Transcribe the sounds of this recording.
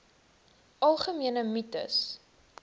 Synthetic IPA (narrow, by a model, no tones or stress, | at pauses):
ɐlˠχəmiənəmitə̰s